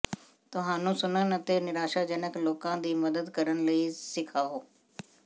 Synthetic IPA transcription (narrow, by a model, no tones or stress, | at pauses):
t̪ʊɦãːnũːsʊnənət̪eːnɪɾaːʃaːd͡ʒənəkloːkãːd̪iːməd̪əd̪kəɾənləiːsɪkʰaːɦoː